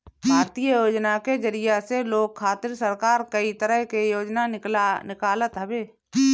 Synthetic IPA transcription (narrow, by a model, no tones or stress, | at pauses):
bʱaːɾt̪iːjəjoːd͡ʒnaked͡ʒəɾijaseloːɡ̚kʰːaːt̪ɪɾsəɾkaːɾkəit̪əɾəɦkejoːd͡ʒnanɪklnɪkaːlət̪ɦəbeː